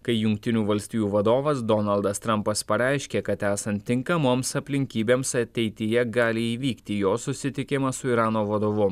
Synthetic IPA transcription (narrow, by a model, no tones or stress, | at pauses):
kɐɪjʊŋk̚t̪ʲɪnʲuːʋɐlʲsʲt̪ʲiːjuːʋɐd̪oːʋɐsd̪ɔnɐlˠd̪ɐst̪ɾɐmpɐspɐɾʲɛˑɪʃʲkʲeːkɐt̪æːsɐnt̪ʲːɪŋkɐmoːmsɐpʲlʲɪŋʲkʲiːbʲeːmsɐt̪ʲɛɪt̪ʲɪjɛɡɑːlʲɪiːʋʲiːkt̪ʲijoːsʊsʲɪt̪ʲɪkʲɪmɐsʊiːɾɑːnoːʋɐd̪oːʋʊ